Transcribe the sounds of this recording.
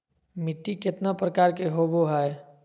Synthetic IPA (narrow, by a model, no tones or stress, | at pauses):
mɪt̪ːiket̪napɾəkaːɾkeɦoboɦae